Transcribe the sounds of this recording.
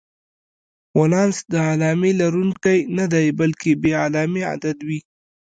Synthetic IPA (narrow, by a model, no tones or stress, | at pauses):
walɑnsd̪əalɑmilaɾunkajnad̪ajbalkebealɑmia̰d̪ad̪wi